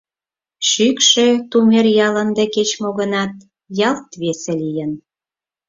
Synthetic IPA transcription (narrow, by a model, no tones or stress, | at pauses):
ʃykʃet̪umerjɑlə̆nd̪eket͡ɕmoɣənɑt̪̚ | jɑlt̪βeselijən